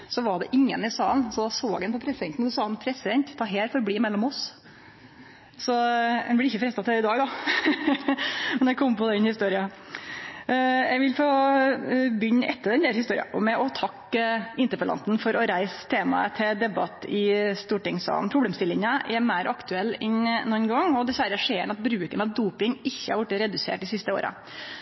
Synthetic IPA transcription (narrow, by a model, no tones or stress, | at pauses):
sɔʋɑɖɛ̰ʔɪŋːə̰nɪsɑːlnsɔd̪ɑsoːɡɛnpʰɔpʰɾɛsd̪ɛnt̪nsɔsɑːnpʰɾɛsɪd̪ɛnt̪t̪ʰːɑɦeːɾfɔɾbliːmɛlːɔmɔs | sɔɛnblɪɾɪçːəfɾɛst̪ɑt̪ʰɛɪd̪ɑːɡd̪ɑ | mɛnjɛkʰɔmːpʰɔd̪ɛnhɪst̪uːɾɪɑ | jɛɡʋɪlfoː | bʏɲːɛt̪ːəd̪ɛnd̪æːɾhɪst̪uːɾɪ̰ɑ̰mɛʔɔt̪ʰɑkːɪnt̪əɾpəlɑ̰nt̪n̩fɔɾɔɾæɪst̪ʰeːmɑ̰ə̰t̪ʰɛd̪ɛbɑt̪ːɪst̪uːʈɪŋsɑ̰ːn̩pʰɾʊbleːmst̪ɪlːɪŋəʔɛɾmæɪɾʔɑkt̪ʉɛlːɛnnɔnɡɑŋːɔd̪ɛsʋæɾəʂeːəɳɑt̪bɾʉːkənɑʋd̪uːpɪŋɪçːəhɑɾʋʊʈːɾɛd̪ʉsḛːʈd̪ɪsɪst̪əo̰ːɾə̰